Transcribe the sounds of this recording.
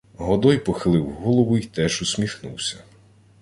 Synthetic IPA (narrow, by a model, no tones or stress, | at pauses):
ɦɔd̪ɔjpɔxɪlˠɪwɦɔlˠɔʋʊit̪ɛʒʊsʲmʲixnʊ̰wsʲɐ